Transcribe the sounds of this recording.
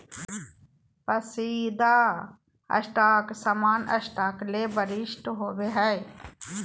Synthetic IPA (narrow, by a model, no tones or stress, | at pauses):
pəsiːd̪aː | ɐ̰ʃʈaːksamaːnə̰ʃʈaːklebəɾɪʃʈɦoːʋeɦɛe